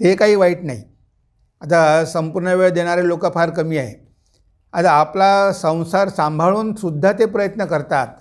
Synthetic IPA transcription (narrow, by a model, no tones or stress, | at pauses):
t̪ekaɦiːʋaiʈna̰ɦḭ | at̪asəmpuɾɳəʋeɭd̪eɽ̃aɾelokapaɾkəmiːaɦḛ | at̪aːplasə̃w̃saɾsãmbʱaɭuːnsud̪ʱːat̪epɾəjət̪nəkəɾt̪at̪̚